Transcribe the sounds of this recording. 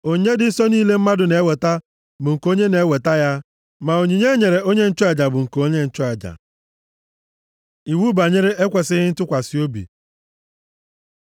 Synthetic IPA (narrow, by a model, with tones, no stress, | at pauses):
o˨ɲe˦dɪ˨n̩˦sɔ˦niː˦le˦m̩˦ma˦dʊ˨ne˨˦we˨ta˦ | bʊ˨ŋ̩˨ko˦ɲe˦ne˨˦we˨ta˦ja˦ | ma˨o˨ɲi˨ɲe˦ɲe˨ɾe˨o˦ɲe˦n̩˦t͡ʃɔ˦e˨d͡ʒa˨bʊ˨ŋ̩˨ko˦ɲe˦n̩˦t͡ʃɔ˦a˨d͡ʒa̰˨ | i˨wu˦ba˨ɲɪ˦ɾɪ˦e˦kʷe˨sɪ˦ɣɪ˦n̩˦tʊ˦kʷa˨si˦o˦bḭ˨